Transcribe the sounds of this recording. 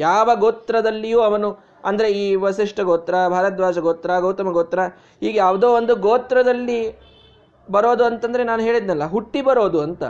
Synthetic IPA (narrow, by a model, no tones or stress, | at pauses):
jaːʋɐɡoːt̪ɾɐd̪ɐlːijuːɐʋɐnu | ɐnd̪ɐɾe̞iːʋɐsiʂʈɐɡoːt̪ɾɐbʱaːɾɐt̪ʋaːd͡ʒɐɡoːt̪ɾɐɡɐwt̪ɐmɐɡoːt̪ɾɐ | hiːɡejaːʋd̪oːond̪uɡoːt̪ɾɐd̪ɐlːi | bɐɾo̞ːd̪uɐnt̪ɐnd̪ɐɾe̞naːnuɦeːɭid̪nɐlːɐɦuʈːibɐɾo̞ːd̪uɐnt̪ɐ̰